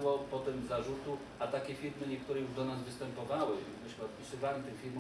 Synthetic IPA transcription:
wɔpɔt̪ɛmzaʐut̪u | at̪akʲɛfʲiɾmɘɲɛk̚t̪uɾɛjuʐd̪ɔnazvɘst̪ɛmpɔvawɘmɘʃmɔt̪pʲisɘvaɲit̪ɘxfʲiɾmɔ

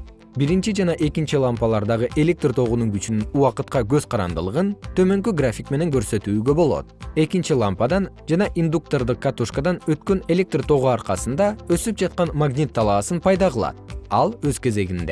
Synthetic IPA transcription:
biɾint͡ʃid͡ʒɑnɑʔe̞kint͡ʃilˠampɑlˠɑɾd̪ɑʁɯʔe̞lʲe̞k̚t̪rt̪ʰo̞ʁunuŋɡyt͡ʃynynuɑqɯt̪qɑɡø̞z̥qʰɑɾɑ̰nd̪ɯlˠɯʁɯnt̪ʰø̞mø̞ŋkyɡrafʲikme̞ne̞ŋɡø̞ɾsø̞t̪yːɡø̞bo̞lˠo̞̰t̪̚e̞kint͡ʃilˠampad̪ɑnd͡ʒɑnɑʔind̪uk̚t̪o̞rd̪ɯq̚kːat̪uʃkad̪ɑnø̞t̪køne̞lʲe̞k̚t̪rt̪ʰo̞ʁuɑɾqɑsɯnd̪ɑø̞syp̚d͡ʒɑt̪̚qɑnmaɡnʲit̪ʰːɑlˠɑːsɯnpʰɑjd̪ɑʁɯlˠɑ̰t̪̚ɑlˠøzke̞ze̞ɡind̪e̞̰

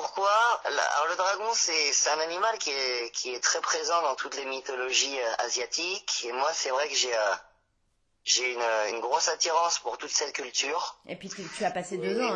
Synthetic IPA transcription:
puʁkwa̰l̰a̰lɔ̰ʁləd̪ʁaɡɔ̃sɛsɛt̪ɛ̃nanimalkʲiɛkʲʰiɛt̪χɛpχezɑ̃d̪ɑ̃t̪ʰut̪lemit̪ɔlɔʒiøa̰zjat̪ikemwasɛvʁɛkəʒeø | ʒeynøynɡʁosat̪iʁɑ̃spuʁt̪ut̪sɛt̪̚kʲylt̪yːʁepɥit̪yt̪yapased̪øzɑ̃

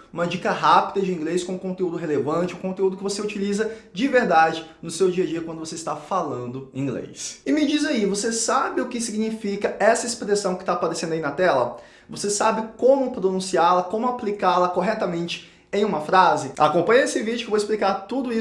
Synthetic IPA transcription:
ũmɐd͡ʒikɐɦapid̪ɐd͡ʒɪĩŋɡleskõkõnt̪eud̪ʊɦelevɐ̃nt͡ʃɪũkõnt̪eud̪ʊkɪvoseut͡ʃilizɐd͡ʒɪveɾd̪ad͡ʒɪnʊsewd͡ʒiɐd͡ʒiɐkwɐ̃nd̪ʊvoseɪist̪afalɐ̃nd̪ʊĩɡlḛjsɪmɪd͡ʒizaivosesabɪʊkɪsiɡɲifikɐɛsɐispɾesɐ̃w̃kɪ̥t̪apaɾesẽnd̪ʊɐinɐt̪ɛlɐ | vosesabɪkõmʊpɾonũsiaɾlɐkõmʊaplikaɾlɐkoɦɛt̪ɐmẽnt͡ʃɪ̥ | ẽj̃ũmɐfɾazɪa̰kõpɐ̃jɲesɪvid͡ʒɪkɪvowɪsplikaɾt̪ud̪ʊi

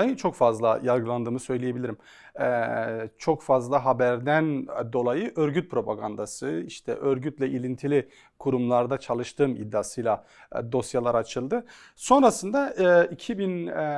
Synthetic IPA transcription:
ajɯt͡ʃʰo̞kfazlˠajalˠɡɯlˠand̪ɯːmɯsø̞jlʲije̞bilʲiɾim | ɛt͡ʃʰo̞kfazlˠaɦabæɾd̪ænd̪o̞lˠajɯʔøɾɟyt̪̚pʰɾo̞pʰaɡand̪asɯiʃt̪ʰɛ̰ʔø̞ɾɟyt̪lʲɛʔilʲint̪ʰilʲi | kʰuɾumlˠaɾd̪at͡ʃʰalˠɯʃt̪ʰɯːmḭd̪ːaːsɯjlˠa | d̪o̞sjalˠaɾat͡ʃʰɯlˠd̪ɯ | so̞nɾasɯnd̪aɛicʰibin

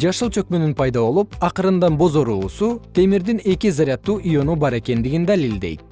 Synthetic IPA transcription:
d͡ʒɑʃɯlˠt͡ʃʰø̞k̚mønynpʰɑjd̪ɑβo̞lˠupɑqɯɾɯnd̪ɑnbo̞zo̞ɾuːsut̪ʰe̞miɾd̪ine̞kizaɾʲjɑt̪ːuːʔijo̞nubɑɾe̞ke̞nd̪iɡind̪alild̪e̞jt̪̚

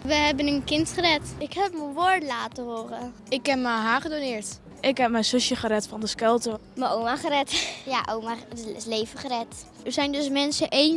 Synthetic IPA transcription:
ʋəɦɛbənənkɪntχəɾɛtɪkɦɛpmənʋoːɹtlaːtəɦoːrə | ɪkɛpməɦaːχədonɪːɹt | ʔɪkɦɛp̚mɛjnsøsjəχəɾɛtfɑndəskɛlˠtəməowmaχəɾɛtjaʔomaətɪɪslejvəχərɛt | əɹsɛjndøs̬mɛnsəʔen

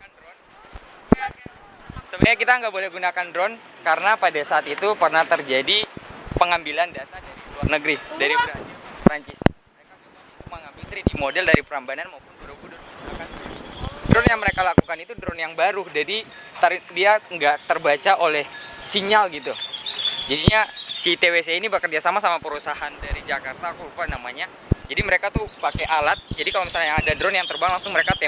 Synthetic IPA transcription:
andɾɔn | səbaɲakit̪aŋɡaʔbolɛhɡunakandɾɔn | kaɾənapadasaːt̪it̪upərnat̪ərd͡ʒadipəŋambilandiasadaɾiluarnəɡɾidaɾipɾat͡ʃɪspɾaɲt͡ʃɪsməɾekaɡu | t̪ʊk̚məŋambɪlt̪əɾidimodɛldaɾipəɾambananmaupʊnbaɾuɡudɔɡunakanddɾɔnjaŋməɾekalakukanit̪udɾɔnjaŋbaɾud͡ʒadit̪aɾidiaŋɡaʔt̪ərbat͡ʃaʔolɛhsiɲalɡit̪ud͡ʒadiɲasit̪eweseinibəkərd͡ʒasamasamapəɾusaɦandaɾid͡ʒakart̪akuupanamaɲa | d͡ʒadiməɾekat̪upakeʔalat̪̚d͡ʒadikalomisalɲaaadadɾɔnjaŋt̪ərbaŋlaŋsʊŋməɾekat̪e

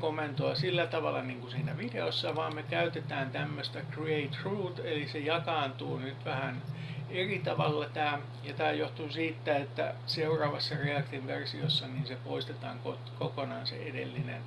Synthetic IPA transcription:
komːˑent̪oɑsilːæt̪ɑʋɑlːˑɑniːŋkusiːnæʋideosːɑʋɑːmmekæyt̪et̪æːnt̪æmːøst̪ækrieit̪ruːt̪elisejɑkɑːnt̪uːnyt̪ʋæhæn | erit̪ɑʋɑlːɑt̪æː | jɑt̪æːjoht̪uːsiːt̪ːæet̪ːæ̰seurɑːʋɑsːɑreɑkt̪inʋersiosːɑniːnsepoist̪et̪ɑːŋkot̪kokonɑːnsḛʔedḛlːinḛn

